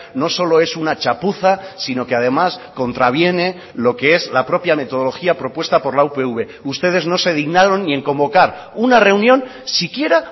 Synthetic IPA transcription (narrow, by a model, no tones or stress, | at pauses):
no̞so̞lo̞e̞sunat͡ʃapuθasino̞keað̞e̞masko̞nt̪ɾaβ̞je̞ne̞ | lo̞ke̞e̞zlapɾo̞pjame̞t̪o̞ðoloxiapɾo̞pwe̞st̪apo̞ɾlaupe̞uβe̞ | ust̪e̞ðe̞zno̞se̞ð̞iɣnaɾo̞nːie̞ŋkõ̞mbo̞kaɾ | unare̞unjõ̞n | sikje̞ɾa